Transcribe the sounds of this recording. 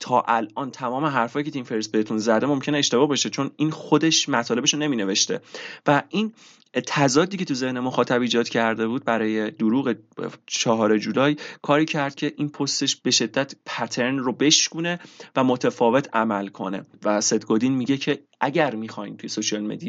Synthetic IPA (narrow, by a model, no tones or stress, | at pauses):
t̪ʰɒːʔælʔɒːnt̪ʰæmɒːme̞ɦæɾfɒːjiːcʰe̞t̪ʰimfeɾsbe̞et̪ʰunzæd̪e̞mo̞mcʰe̞neːʃt̪e̞bɒːhbɒʃet͡ʃʰo̞niːnxo̞d̪e̞ʃmæt̪ʰɒːle̞beʃone̞miːne̞ve̞ʃt̪e̞̰væʔin | t̪ʰæzɒːd̪iːcʰe̞t̪ʰuze̞hne̞moxɒːt̪ʰæbiːd͡ʒɒːd̪cʲʰæɾd̪e̞βuːd̪̚bæɾɒːje̞d̪uɾuːɣet͡ʃʰɒɦɒːɾed͡ʒuːlɒːjkʰɒːɾiːcʰæɾd̪̥̚cʲʰe̞ʔinpʰost̪e̞ʃb̥e̞ʃe̞d̪ːæt̪pʰæt̪ʰe̞ɾnrobe̞ʃkune̞væmot̪ʰefɒːve̞t̪ʰæmælkʰo̞̰ne̞̰væse̞d̪ɡod̪inmiɟe̞cʰe̞ | ʔæɟæɾmixɒːjmt̪uje̞soʃiɒlmed̪ij